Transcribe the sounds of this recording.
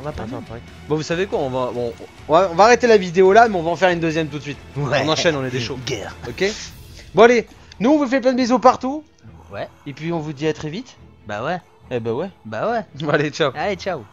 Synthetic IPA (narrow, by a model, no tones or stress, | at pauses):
ɔ̃vapafɛʁt̪ɑ̃ʁɛk | bãvusavekwaɔ̃vabɔ̃ | ɔ̃vaɔ̃vaːʁet̪elavid̪eolamɛɔ̃vaɑ̃fɛʁynd̪øzjɛmt̪ut̪sɥit̪ɛɔ̃nɑ̃ʃɛnɔ̃ned̪eʃoɡɛʁɔkʲebɔ̃ale | nuɔ̃vuf̬ɛp̬lɛ̃d̪bezopaʁt̪u | wɛepɥiɔ̃vud̪iat̪χɛvit̪ba̰wɛ | ɛbawɛbawɛvalet͡ʃaalet͡ʃaw